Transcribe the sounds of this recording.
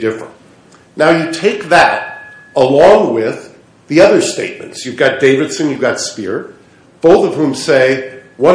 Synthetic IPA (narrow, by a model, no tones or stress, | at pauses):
dɪfɹə̰̃nt | naʊjɨtʰeɪk̚ðɨ̰ɾ | əlɔ̃ŋwɪð | ðiʌðə˞steɪt̚mɨ̃ntsjɨɡɑt̚d̥eɪvɨd̥sɨ̃njɨɡɑtspɪ̰ɹ | b̥oʊθʌv̥hũmseɪwʌ̃